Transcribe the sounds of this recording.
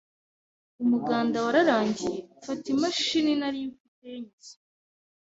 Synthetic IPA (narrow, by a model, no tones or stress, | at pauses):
umuɡaːndawaɾaɾaːɲɟijeufatimaʃininaɾijufiteɲii̥